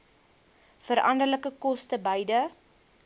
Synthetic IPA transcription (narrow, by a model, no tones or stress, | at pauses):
fəɾʔɐ̰ndərləkəkɔstəbəjdə